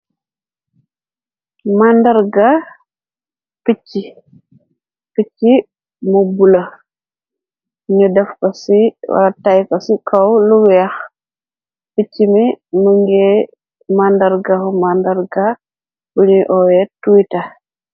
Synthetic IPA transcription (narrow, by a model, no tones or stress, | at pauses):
mandaɾɡa | pit͡ʃːi | pit͡ʃcːi | mobula | ɲudɛfkɔsiwa̰ɾatajkasikʰawluɡjax | pit͡ʃːimimuŋɡɛ | mandaɾɡahumandɐɾɡa | buɲiʔɔwɛtujta